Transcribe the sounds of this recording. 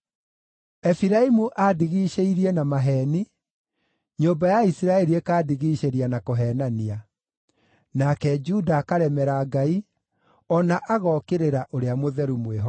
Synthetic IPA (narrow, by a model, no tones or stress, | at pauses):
ɛfiɾaimuʔadiɣiːʃeiɾiɛnamaɦɛni | ɲombajaisiɾaɛɾiekaːdiɣiʃeɾianakoɦɛːnania | nakɛd͡ʒudaːkaɾɛmɛɾaɡai | ɔnaʔaɣɔkeɾeɾaʔoɾeamoðɛɾumweɦɔ